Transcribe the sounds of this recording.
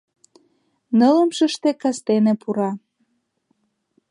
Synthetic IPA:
nələmʃəʃt̪ekɑst̪enepuɾɑ

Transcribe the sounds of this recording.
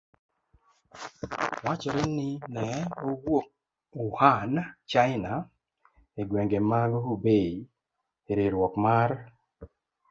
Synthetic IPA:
wat͡ʃɔɾenɪnɛowok̚ | uhant͡ʃaɪna | eɡwɛŋɡemaloobe | eɾeɾwɔkmar

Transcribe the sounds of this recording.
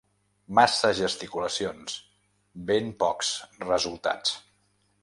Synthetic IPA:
masəʒəst̪ikuləsions | bempɔksrəzulˠt̪a̰t͡s

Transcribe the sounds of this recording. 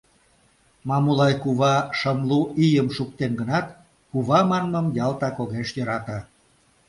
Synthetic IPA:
mɑmulɑjkuβɑʃəmluʔijəmʃuk̚t̪enɡənɑt̪ | kuβɑmɑnməmjɑlˠt̪ɑkoɣeʃjøɾɑt̪ɑ

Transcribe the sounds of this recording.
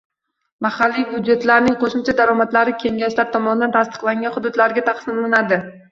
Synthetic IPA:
mahalːijbʊd̪d͡ʒe̞t̪laɾnɪŋqʰoʃɪmt͡ʃʰad̪aɾɒmat̪laɾɪkʲʰe̞ŋɡʲaʃlaɾt̪ʰɒmɒnɪd̪ant̪ʰast̪ɨ̥qlˠaŋɡʲanχʊd̪ʊd̪laɾɡʲat̪ʰɑqsɪmlanad̪ɪ

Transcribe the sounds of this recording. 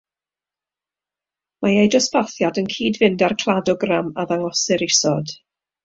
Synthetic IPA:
majejdɔspʰaθjadənkʰiːdvɪndarkʰlˠadɔɡramaðaŋɔsɪɾɪsɔd̥

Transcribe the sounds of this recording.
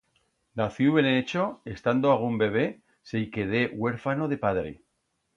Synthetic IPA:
naθjuβeneet͡ʃoest̪and̪oaɣ̞umbe̞β̞e̞ | sejkeðe̞we̞ɾfano̞ðe̞paðɾḛ

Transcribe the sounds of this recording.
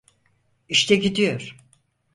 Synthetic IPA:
iʃt̪ʰɛɟid̪ijo̞ɾ̥

